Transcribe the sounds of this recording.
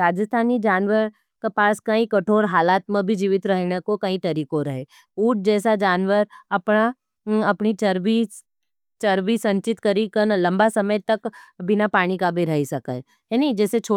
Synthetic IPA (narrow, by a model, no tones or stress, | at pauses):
ɾaːd͡ʒəst̪ʰaːnid͡ʒaːnʋəɾ | kepaːskaĩkɐʈʰoːɾɦaːlaːt̪mẽbʱid͡ʒiːʋɪt̪ɾɐɦnekokɐĩt̪ɐɾiːkoɾɐɦeː | uːʈ̚ʰd͡ʒɛːsad͡ʒaːnʋəɾɐpna | ɐpnit͡ʃəɾbi | t͡ʃɐɾbisɐ̃ɲt͡ʃɪt̪kɐɾikəɾnlɐ̃mbasɐməjt̪ɐkbɪnapaːɽ̃ikabʱiɾɐɦisɐkə̰ | ɛnĩd͡ʒɛːset͡ʃʰo